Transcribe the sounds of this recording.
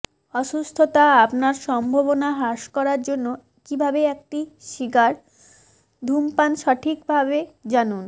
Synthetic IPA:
ɔʃust̪ʰot̪aapnaɾʃɔmbʱoβonaɦaʃkɔɾaɾd͡ʑonːo | kibʱabeek̚ʈiʃiɡaɾ | d̪ʱumpanʃaʈʰikbʱabed͡ʑanun

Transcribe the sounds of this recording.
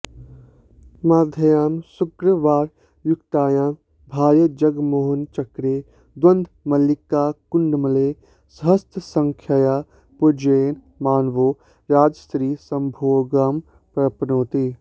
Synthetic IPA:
maːd̪ʱɐjaːmsʊkɾəʋaːɾ | jʊkt̪aːjaːm | bʱaːɾjɐd͡ʒɐɡmoːɦʊnt͡ʃɐkɾeː | d̪wɐ̃nd̪ʱmɐlikːaːkʊɳɖmɐleː | sɦɐst̪ʰsɐ̃ŋkʰjajaː | pud͡ʒeːn | maːnʋoː | ɾaːd͡ʒəst̪ɾiːsɐmbʱoːɡaːm | pɾɐpnoːt̪i

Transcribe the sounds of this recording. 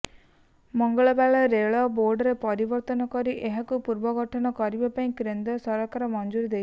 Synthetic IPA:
mɔŋɡɔɭɔbaɭaɾeɭɔboɾɖɾepɔɾibɔɾt̪ɔnɔkɔɾiʔeɦakupuɾbɔɡʱɔʈʰɔnɔkɔɾibapaĩkɾend̪ɔsɔɾakaɾɔmɔnd͡ʒuɾid̪e

